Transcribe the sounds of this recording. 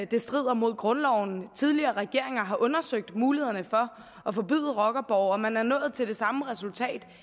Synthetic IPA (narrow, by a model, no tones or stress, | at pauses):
d̥e̝sd̥ʁið̰ˠɐmo̝ð̞̰ˠɡ̥ʁɔ̽nlɒʊn̩t͡sʰið̞ˠliɐːʁɛɡ̥e̝ɐ̰e̝ŋɐɦɑ̈ʔɔ̽nɐsøɡ̥̚d̥muːliheð̰ˠɐnəfɒ̽ | ʔɒ̽fɒ̽b̥y̰ːðˠəʁɒ̽ɡ̥ɐb̥ɒʊɒ̽mænæɐnɔ̰̽ːð̞̩ˠt͡sʰe̝ld̥e̝sɑ̈məʁɛsult͡sʰɛ̰ːd̥